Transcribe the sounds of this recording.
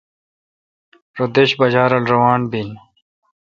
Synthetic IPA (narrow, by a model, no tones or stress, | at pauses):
ɾod̪eɕbɐd͡ʑaːɾɐlɾɐwaːnbin